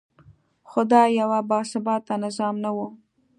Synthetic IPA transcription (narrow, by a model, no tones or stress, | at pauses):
xʊd̪ɑjawabɑsɪbɑt̪ːanɪzɑmnawu